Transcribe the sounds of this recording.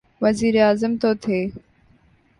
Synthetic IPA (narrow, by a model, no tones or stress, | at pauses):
ʋɐziːɾeaːzəmt̪oːt̪ʰeː